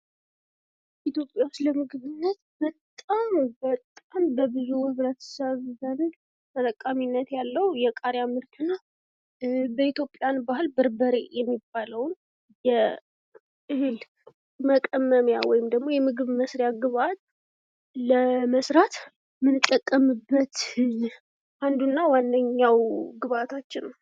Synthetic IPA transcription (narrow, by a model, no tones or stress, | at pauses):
ʔit̪jo̞pʼjawsləmɨɡɨβɨnːət̪bət̪ʼambət̪ʼːambəbɨzuhɨβɾət̪ʰə̥səβzən | t̪ʰət̪ʼəkʼːaminːət̪jalːəwjɛkʼaɾjamɨɾt̪ʰɨnːa | bəit̪jo̞pʼjanbahɨlbɨɾbəɾḛjɛmːibːaləwn | jɛ | ʔɨhɨl | məkʼəmːəmjawɔjɪmd̪əɡmo̞jɛmɨɡɨβməsɾjaɡɨβat̪̚ | ləməsɾat̪ | mɨnɨt̪ʼːəkʼːəmɨbːət̪ | ʔand̪unːawand̪əɲːawɡɨβat̪ʰat͡ʃːɪnw